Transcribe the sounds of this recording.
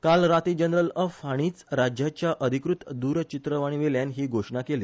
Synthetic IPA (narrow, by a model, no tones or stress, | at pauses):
kalɾat̪iːd͡ʑənɾələfaɽ̃iːt͡sɾad͡ʑjat͡ɕjaʔəd̪ʱikɾut̪d̪uːɾt͡ɕit̪ɾəʋaɽ̃iʋeljanɦiːɡʱoʂɳakeliː